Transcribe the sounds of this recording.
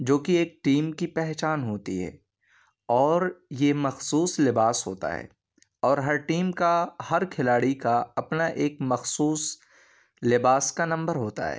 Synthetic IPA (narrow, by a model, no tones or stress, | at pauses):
d͡ʒoːkieːk̚ʈiːmkipɛɦt͡ʃaːnɦoːt̪ḭɦɛ̰ː | ɔːɾjemɐxsuːslɪbaːsɦo̰ːt̪a̰ɦɛ̰ː | ɔːɾɦɐɾʈiːmkahɐɾkʰɪlaːɽikaɐpnaʔeːkmɐxsuːs | lɪbaːskanɐ̃mbəɾɦoːt̪a̰ɦɛ̰ː